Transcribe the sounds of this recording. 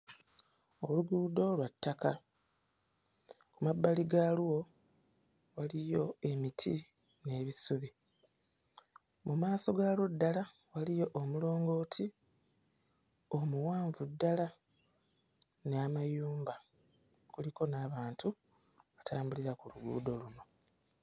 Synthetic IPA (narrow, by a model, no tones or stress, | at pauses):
oluɡudo̞lwatːaka | kumabːaliɡaluwo̞ | walijo̞e̞mitʰi | ne̞ːβisuβi | mumaːso̞ɡalwodːala | walijo̞ʔomulo̞ːŋɡo̞ːtʰi | o̞muwaːɱvudːala | neamajuːmba | kuliko̞naːβaːntu | βatʰaːmbuliɾakuluɡṵːdo̞luno̞